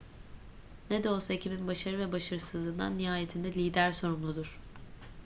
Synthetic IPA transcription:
ned̪ɛolˠsaecʰibinbaʃaɾɯvɛbaʃaɾɯsɯzlˠɯnd̪a̰nːiɦaːjet̪ʰind̪ɛlʲiːd̪æɾso̞ɾumlˠud̪uɾ̥

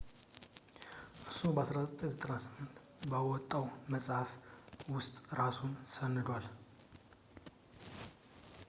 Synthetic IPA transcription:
ʔɨɾsubəasɾasət̪ʼːeɲzət̪ʼənasɨmɨnt̪ | bawɔt̪ʼːawməsʼhafwʊst̪ʼɾasunsənːɨd̪wal

